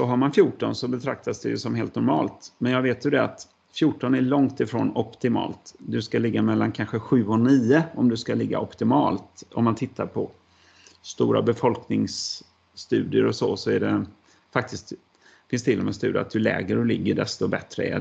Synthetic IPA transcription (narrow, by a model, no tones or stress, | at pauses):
sɔɦaɾmanfjuːʈɔnsɔbɛt̪ʰɾak̚t̪asd̪ɛjɵsɔmɦeːlt̪nɔɾmɑːlt̪mɛnjɑːɡveːt̪jɵd̪ɛat̪ | fjuːʈːɔnæɭɔŋt̪ɪfɾo̰ːnɔpt̪ɪmɑ̰ːlt̪d̪ɵskalɪɡːamɛlːankʰanɧəɧʉ̟ːɔniːəɔmd̪ɵskalɪɡːa̰ʔɔpt̪ɪmɑːlt̪ɔmːant̪ʰɪt̪ʰːaɾpʰɔ | st̪uːɾa̰bɛfɔlknɪŋsː | t̪ʉ̟ːd̪ɪəɾɔsɔsɔæɖɛ | fak̚t̪ɪskt̪ | fɪnst̪ʰɪlːɔmɛst̪ʉ̟ːd̪a̰t̪d̪ɵlɛ̰ːɡəɾɔlɪɡːəɖɛst̪ɔbɛt̪ɾəæ̰